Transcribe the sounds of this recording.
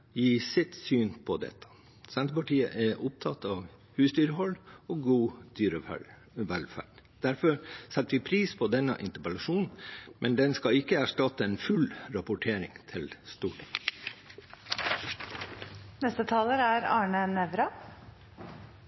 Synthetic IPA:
jiːsɪt̪syːnpʰɔd̪ɛ̰t̪ʰːə̥ | sɛnt̪əpɑʈiːə̰ʔɛʔʊp̚t̪ʰɑt̪ɑːʋ | hʉːsd̪yːɾəhɔlːoːɡuːd̪̥yːɾə̰ | ʋælfæ̰ːɖ̥d̪̥æɾfɔɾsɛt̪ːʋɪpʰɾiːspʰɔd̪ɛnːə̰ʔɪnt̪əpəlɑʂuːnn̩mʔɛnd̪ɛnskɑɪkːəæʂʈɑt̪ːəeːnfʉlɾɑpʊʈʰeːɾɪŋt̪ʰɪlst̪uːʈʰɪŋ | nɛst̪ət̪ʰɑːləɾæɾɑːɳənɛʋɾɑ

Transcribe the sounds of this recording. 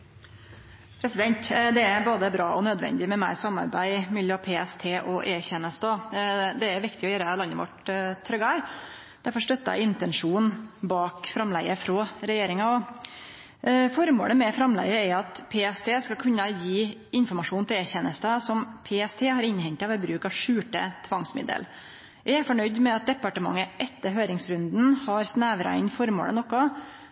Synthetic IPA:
pʰɾɛsɪd̪ɛnt̪d̪ɛæɾboːd̪əbɾɑːʔɔnœd̪ʋɛ̰nd̪ɪmɛmæɪɾsɑmːɑ̰ɾbæɪmʏlɪɔpʰeːɛst̪ʰeːʔɔʔeːçɛnːəst̪ɔd̪ɛæɾʋɪkt̪ɪɔjøːɾəlɑnːəʋɔ̰ʈt̪ʰɾœɡəæɾ | d̪̥æɾfɔɾʂʈ̪œt̪ːɑ̰ɪnt̪ɛnʂuːnbɑːkfɾɑmlæɪəfɾoːɾɛjeːɾɪŋɑɔ | fɔɾmo̰ːləmɛfɾɑmlæ̰ɪəæɑt̪pʰeːɛst̪ʰeːskɑlkʰʉnːəjiːɪnfɔɾmɑʂuːnt̪ʰɪlæɾçɛnːəst̪əsɔmpʰeːɛst̪ʰeːhɑɾɪnhɛɲt̪ɑʋɛbɾʉːkɑʋʂʉːʈə̰t̪ʰʋɑŋsmɪ̰d̪ə̰l | jææɾfɔɳœʏd̪mɛɑt̪̚d̪ɛpɑʈəmɑ̰ŋːəʔɛt̪ːəɾɦøːɾɪŋsɾʉnd̪n̩hɑɾsnæːʋɾɑ̰ɪnfɔɾmo̰ːlə̰nɔkːɔ

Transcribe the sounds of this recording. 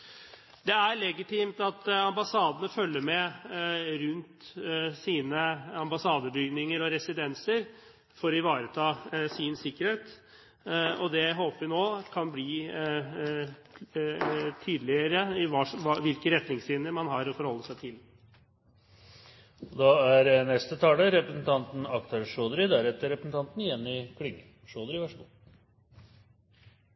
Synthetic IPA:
d̪ɛæɾɭɛɡɪt̪ʰiːmt̪ɑt̪ɑmbɑsɑːd̪ənəfœlːəɾmɛ | ɾʉnt̪siːnəɑmbɑsɑːd̪əbʏɡnɪŋəɾɔɾɛsɪd̪ɛnsəɾ | fɔɾɔɪʋɑːɾət̪ʰɑːsɪnsɪkːəɾheːt̪ | ɔd̪ɛɦoːpəʋɪnoːkʰɑnbliː | t̪ʰyːd̪lɪəɾəɪʋɑːʋɑʋɪlkəɾɛt̪nɪŋslɪːnəɾmɑnɦɑɾɔfɔɾhɔlːəsæɪt̪ʰɪl | ɔd̪ɑːæɾnɛst̪ət̪ʰɑːləɾɛpɾəsn̩t̪ʰɑnt̪n̩ɑkt̪ʰɑɾʂoːd̪ɾɪd̪æɾɛt̪ːəɾɛpəsn̩t̪ʰɑnt̪nɪjɛnːɪkʰlʏɡ | ʂoːd̪əɾɪʋɑʂɡu

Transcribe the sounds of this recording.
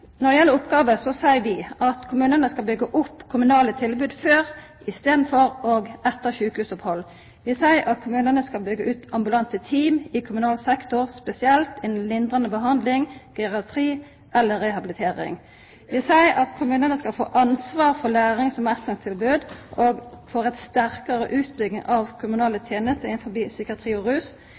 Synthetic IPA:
nɔd̪ɪjɛlːəʊpːɡɑːʋəsɔsæɪʋɪʔɑt̪kʰʊmʉːnənəskɑlbʏɡəʔʊpːkʰʊmʉnɑːlət̪ʰɪlbʉːd̪føːʁ | ʔɪst̪eːd̪n̩fɔɾoːɡɛt̪ːəʁçʉːkəhʉːsɔphɔlː | ʋɪsæɪʔɑt̪̚kʰʊmʉːnənəskɑlbʏɡːəʔʉːt̪ɑmbʉlɑnt̪ət̪ʰiːmɪkʰʊmʉnɑːlsɛkt̪ʊʁspɛsɪɛlt̪ɪnn̩lɪnd̪ʁɑnəbəɦɑnd̪lɪŋɡ̥ɛʁɑt̪ʰʁiː | ɛlːəʁɛhɑbɪlɪt̪ʰeːʁɪ̰ŋ | ʋɪseɪɑt̪kʰʊmʉːnənəskɑlfo̰ːʔɑnsʋɑːʁfɔlæːʁɪŋsɔmɛsəŋt̪ʰɪlbʉːd̪ʔoːɡfoːʁɛt̪st̪æʁkəʁə̰ʔʉːt̪̚bʏɡnɪ̰ŋʔɑʋkʰʊmʉnɑːlət̪ʰjeːnəst̪əɪnfɔbiːsʏkəɑt̪ʰʁiːɔʁʉːs

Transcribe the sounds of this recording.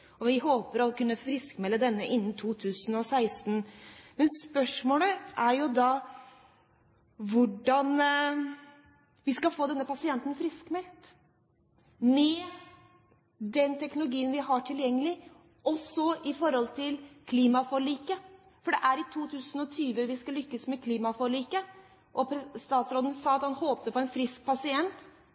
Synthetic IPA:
ɔʋɪɦoːpəɾɔkʉnːəfɾɪskmɛlːəd̪ɛnːəʔɪnːn̩t̪ʰuːt̪ʰʉːsənɔsæɪst̪nmɛnspœʂmoːləʔæɾjʊd̪ɑ | ʋʊɖɑn | ʋɪskɑfoːd̪ɛnːəpɑsɪɛnt̪ən̩fɾɪskmɛlt̪ | mɛ | d̪ɛnt̪ʰɛknʊlʊɡiːənʋɪɦɑʈʰɪljɛŋːəlɪ | ɔsɔɪfɔɾɔlt̪ʰɪlkʰliːmɑfɔɾɭiːkə | fɔɖɛʔæɾɪt̪ʰuːt̪ʰʉːsənɔt̪ʰyːʋəʋɪskɑlʏkːəsmɛkʰliːmɑfɔɾɭiːkə | ʔɔpʰst̪ɑːt̪sɾoːd̪nsɑːɑt̪hɑnhoːpəɾpʰɔɛnfɾɪsk̚pʰɑsɪɛnt̪

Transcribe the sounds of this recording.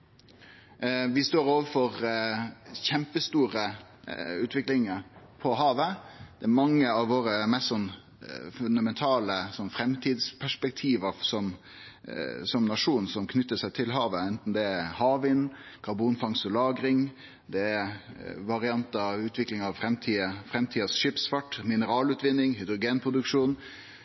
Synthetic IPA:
ʋɪst̪oːɾoːʋəfɔɾ | çɛmpəst̪uːɾə | ʉːt̪ʰʋɪklɪŋəɾpʰɔɦɑːʋəd̪̥ɛːæmɑŋːəɑʋʋoːɾəmɛst̪sɔnː | fʉnd̪ɑmɛnt̪ʰɑːləsɔnfɾɛmt̪ʰiːd̪spʰæʂpɛk̚t̪ʰiːʋəɾsɔm | sɔmnɑʂuːnsɔmkʰnʏt̪ːəsæɪt̪ʰɪlɦɑːʋəɛnt̪n̩d̪ɛɛhɑːʋɪnkʰɑɾbuːnfɑŋst̪ɔlɑːɡɾɪŋ | d̪ɛɛ | ʋɑɾɪɑnt̪əɑʋʉːt̪ʰʋɪklɪŋɑʋfɾɛmt̪ʰiːəfɾɛmt̪ʰiːəsʃɪpsfɑʈːmɪnəɾɑːlʉːt̪ʋɪnːɪŋɦɪd̪ɾʊɡeːnpʰɾʊd̪ʉkʂuːn

